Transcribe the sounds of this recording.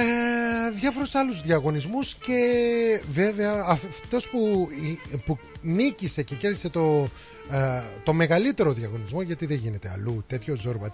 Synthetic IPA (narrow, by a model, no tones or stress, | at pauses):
eðjɐfo̞ɾusɐluzðiɐɣo̞nizmusce̞ve̞ve̞ɐːft̪o̞spu | punicise̞ce̞ce̞ɾði̥se̞t̪o̞ | t̪o̞me̞ɣɐlit̪e̞ɾo̞ðiɐɣo̞nizmo̞ʝɐt̪iðeʝine̞t̪e̞ɐ̰lut̪e̞t̪ço̞zoɾbɐt̪